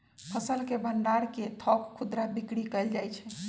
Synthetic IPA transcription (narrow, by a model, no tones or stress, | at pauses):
pʰəsəlkebənɖaɾket̪ʰɔkkʰːud̪ɾabikɽikəɪld͡ʒajt͡ʃʰɛ